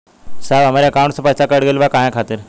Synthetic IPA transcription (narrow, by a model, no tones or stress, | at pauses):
saʋɦəmaɾjəkaw̃ɳʈsəpajt͡sakəɽɡelʋakãjãkʰat̪əɾ